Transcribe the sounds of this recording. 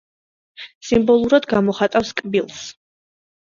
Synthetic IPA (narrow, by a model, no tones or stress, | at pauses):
simbɔlˠuɾad̪ɡamɔχat̪ʼafskʼbilˠs